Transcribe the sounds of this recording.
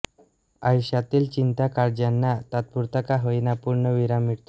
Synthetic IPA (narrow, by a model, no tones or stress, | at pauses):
ajɕat̪iːlt͡ɕint̪akaɾd͡ʑanːat̪at̪̚puɾt̪əkaɦəjnapuɾɳəʋiɾamiɽt̪o